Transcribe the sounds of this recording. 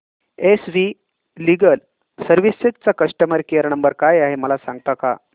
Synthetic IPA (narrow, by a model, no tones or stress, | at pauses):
esʋi | liɡəl | səɾʋiset̪̚t͡sakəʂʈəməɾkejəɾnəmbəɾkajaɦeməlasaŋɡt̪aka̰